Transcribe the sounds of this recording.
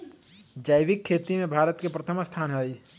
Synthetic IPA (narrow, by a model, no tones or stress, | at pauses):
d͡ʒaːjbɪkʰːeːt̪imẽbʱaːɾət̪kepɾət̪ʰəmst̪ʰaːnɦəj